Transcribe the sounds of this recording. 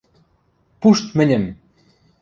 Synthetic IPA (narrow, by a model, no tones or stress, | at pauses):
puʃt̪mɘ̆nʲɘ̆m